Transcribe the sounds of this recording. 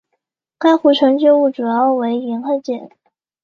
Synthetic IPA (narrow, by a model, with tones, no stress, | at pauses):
ka˥ɪxu˧˥˩ʈ͡ʂʰɤ˧˥ŋt͡ɕjo˥˧u˥˩ʈ͡ʂu˨˩jɑ˥˩ʊwe˧˥ɪi˧˥nxa˥˧t͡ɕjɛ˨˩˦n